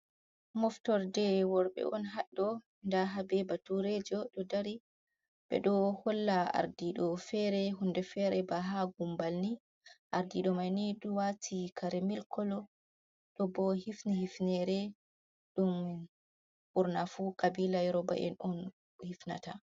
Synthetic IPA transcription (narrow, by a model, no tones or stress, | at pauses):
mɔftɔɾdɛwɔɾɓɛ̰ʔɔnɦaɗːɔ | ndaɦabɛbatuɾɛd͡ʒɔɗɔdaɾi | bɛ̰ɗɔhɔlːaa̰ɾdiɗɔfɛɾɛɦundɛfɛɾɛbaɦaɡumbalni | ʔaɾdiɗɔmajniɗuwatʰikʰaɾɛmilkʰɔlɔ | ɗɔbɔhifnihifnɛɾɛ | ɗum | ʔuɾnafukabilajɾɔba̰ʔɛ̰nɔn | hifna̰ta